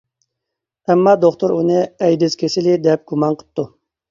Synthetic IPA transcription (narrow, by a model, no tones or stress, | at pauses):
ɛmːɑːd̪oχt̪ʊɾunɨɛjd̪ɪzkʲʰesɪlɪd̪ɛp̚ɡ̥umɑnqʰə̥p̚t̪ʰːu